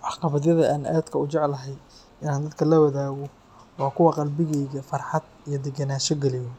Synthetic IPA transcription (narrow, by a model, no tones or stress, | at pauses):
ʔɑħqɑβɐðjɐðɐʔaːnʔa̰d̪kʰɐʊt͡ʃɛʕlɐɦɛj | ʔɪnaːnd̪ɐd̪kʰɐlɐwɐðaːɣɔ | wɑːkʰʊwɑqɑlbɪɣɛjɣɐfɑrħɑd̪ | ijɔd̪ɛɡɐnaːʃɔɡɛlɪjɔ